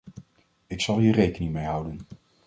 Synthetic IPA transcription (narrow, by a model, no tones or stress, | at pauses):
ɪksɑlˠɦiːrejkənɪŋmejɦʌwdən